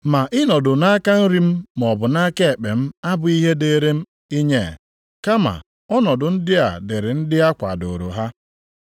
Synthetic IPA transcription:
ma˨ʔɪ˦nɔ˨dʊ˨na˦ka˦n̩˦ɾi˦m̩˦m˨ɔ˨bʊ˨na˦ke˦e˨k͡pe˨m̩˦a˦bʊ˨i˦ɦe˦de˨ɾe˦m̩˦ | i˦ɲe˦˨ | ka˦ma̰˨ | ɔ˦nɔ˨dʊ˨n̩˦dɪ˦a̰˨dɪ˨ɾɪ˨n̩˦dɪ˦a˦kʷa˨do˨ɾo̰˨ɦa˦

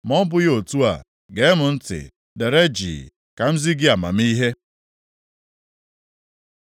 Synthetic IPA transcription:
mɔ˦m̩˦bʊ˦jo˨tu˦a̰˨ | ɡe˨˦mʊ˨n̩˦tɪ̰˨ | de˨ɾe˦d͡ʒḭː˨ | ka˨m̩˦zi˦ɡɪ˦a˨ma̰˨m̩˦i˦ɦe˦

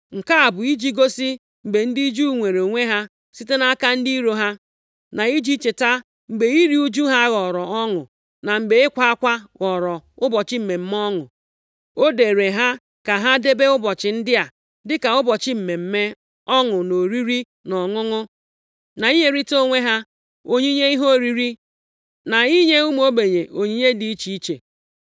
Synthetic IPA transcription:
ŋ̩˨ka˦a˨bʊ˨i˦d͡ʒi˦ɡo˦si˦ | m̩˨ɡ͡be˨n̩˦di˦d͡ʒu˦˨ŋʷe˨ɾo˨o˨ŋʷe˦ɦa˦ | si˦te˦na˦ka˦n̩˦di˦i˦ɾo˦ɦa˦ | na˨i˦d͡ʒi˦t͡ʃe˨ta˦ | ŋ͡m̩˨ɡ͡be˨i˦ɾi˦u˦d͡ʒu˦ɦa˦ɣɔ˨ɾɔ˨ɔ˦ŋʊ̰˨ | na˨ŋ͡m̩˨ɡ͡be˨ɪ˦kʷa˦a˦kʷa˦ɣɔ˨ɾɔ˨ʊ˦bɔ˨t͡ʃɪ˦m̩˨me˨m̩˦m˦ɔ˦ŋʊ̰˨ | o˦de˨ɾe˨ɦa˦ | ka˨ɦa˦de˦be˦ʊ˦bɔ˨t͡ʃɪ˨n̩˦dɪ˦a˨ | dɪ˦ka˨ʊ˦bɔ˨t͡ʃɪ˦m̩˨me˨m̩˦me˦ | ɔ˦ŋʊ˨no˨ɾi˦ɾi˦ | nɔ˨ŋʊ˦ŋʊ˦ | na˨i˦ɲe˦ɾi˦to˦ŋʷe˦ɦa˦ | o˦ɲi˦ɲe˦i˦ɦo˦˨ɾi˦ɾi˦ | na˨i˦ɲe˦u˦m˦o˦be˨ɲe˨ʔo˨ɲi˦ɲe˦di˨˦i˦t͡ʃi˨i˦t͡ʃḛ˨

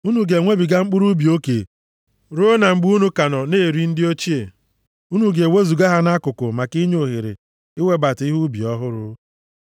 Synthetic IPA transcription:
u˦nu˦ɡe˨ŋʷe˦bi˨ɡa˦ŋ͡m̩˦k͡pu˦ɾu˦bi˨o˦ke˨ | ɾu˦o˦na˨ŋ͡m̩˦ɡ͡bu˦nu˦ka˨nɔ˨ne˦˨ɾi˦n̩˦dɪ˦o˦t͡ʃi˦e˨ | u˦nu˦ɡe˨we˦zu˨ɡa˦ɦa˦na˦kʊ˨kʊ˨ma˨ki˦ɲ˦o˨ɦe˨ɾḛ˨ | ɪ˦we˦ba˨ti˦ɦu˦bi˨ɔ˦ɦʊ˦ɾʊ˦

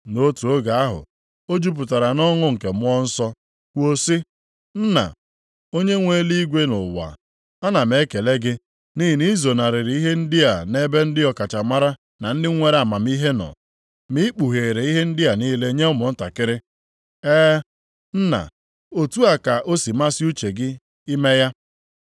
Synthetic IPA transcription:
no˦tu˨o˦ɡa˨a˦ɦʊ̰˨ | o˦d͡ʒu˦p̬ʊ˨ta˨ɾa˨nɔ˦ŋʊ˦ŋ̩˨ke˨mʊ˦ɔ˦n̩˦sɔ˦ | kʷo˦si˦ | n̩˦na̰˨ | o˦ɲe˦ŋʷe˦li˦ɡʷe˦nʊ̰˨wa̰˨ | a˦na˨me˦ke˨le˦ɡɪ˦ | ni˦ɦi˨ni˦zo˨na˨ɾɪ˨ɾi˦ɦe˦n̩˦dɪ˦a˨ne˦be˦n̩˦dɪ˦ɔ˨ka˨t͡ʃa˨ma˦ɾa˦ | na˨n̩˦dɪ˦ŋʷe˦ɾa˨ma˨m˦i˦ɦe˦nɔ̰˨ | mi˦k͡pu˨ɦe˨ɾe˨i˦ɦe˦n̩˦dɪ˦a˨niː˦le˦ɲe˦ʊ˦mʊ˨n̩˦ta˨kɪ˦ɾɪ˦ | ɛː˦ | n̩˦na̰˨ | o˨tu˦a˨ka˨ʔo˦si˨ma˦sɪ˦u˦t͡ʃe˨ɡɪ˦ | i˦me˦ja˦

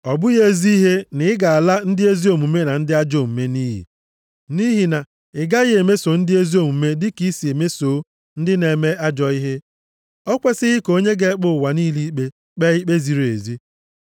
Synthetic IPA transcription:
ɔ˨bʊ˦ɣe˦˨zi˦i˦ɦe˦nɪ˦ɪ˦ɡa˨a˨la˦n̩˦dɪ˦e˦zi˦o˨mu˨me˦na˨n̩˦dɪ˦a˦d͡ʒo˦˨m̩˨me˦ni˦ɦḭ˨ | ni˦ɦi˨na˨ | ɪ˨ɡa˦ɣe˨me˦so˨˦n̩˦dɪ˦e˦zi˦o˦mu˨me˦dɪ˦ki˦si˨e˨me˦soː˨˦ | n̩˦dɪ˦ne˨me˦ʔa˦d͡ʒɔ˨i˦ɦe˦ | ɔ˦kʷe˦sɪ˦ɣɪ˦ko˦ɲe˦ɡe˦k͡pʊ˦˨wa˨niː˦li˦k͡pe˦ | k͡pe˦i˦k͡pe˦zi˨ɾe˨zi˦

